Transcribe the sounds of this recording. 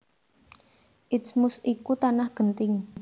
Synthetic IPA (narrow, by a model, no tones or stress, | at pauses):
ʔɪsmʊsikut̪anahɡ̥ənt̪ɪŋ